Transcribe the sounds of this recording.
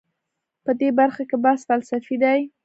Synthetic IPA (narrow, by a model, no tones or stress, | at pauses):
pəd̪ebaɾxakebasfalsafid̪aj